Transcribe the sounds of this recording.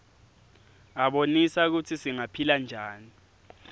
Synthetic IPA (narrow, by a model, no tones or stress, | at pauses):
aɓonisak̬utʰisiŋapʰiland͡ʒʱaːni